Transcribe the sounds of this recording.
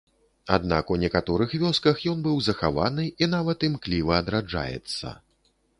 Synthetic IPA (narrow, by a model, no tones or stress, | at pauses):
a̰d̪na̰kunʲɛkat̪ɔɾɨxvʲɔskɐxjɔnbɨwzɐxava̰nɨinavɐt̪imklʲivɐːd̪ɾad͡ʐa̰jɛ̰t̪sːɐ̰